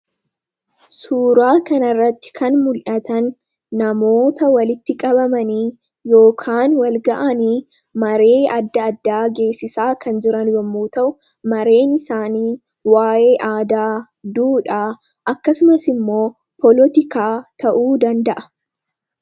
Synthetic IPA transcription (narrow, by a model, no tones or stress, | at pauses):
suːɾaːkɐnɐrːɐt̪ːɪ̥kʰɐnmʊlʔɐt̪ɐnː | ɐmo̞ːt̪ɐwɐlɪt̪ːɪkʼɐbɐmɐniː | jo̞ːkʰaːnwɐlɡɐʔɐniː | mɐɾe̞ːɐd̪ːɐːd̪ːaːɡe̞ːsːɪsaːkʰɐnd͡ʒɪɾɐnwɔmːuːt̪ɐʔʊ | mɐɾe̞ːnɪsaːniː | waːʔe̞ːʔaːd̪aː | d̪uːᶑaː | ʔɐkːɐsʊmɐsɪmːo̞ː | pʰɔlɔt̪ɪkaːt̪ɐʔuːd̪ɐnd̪ɐʔɐ̥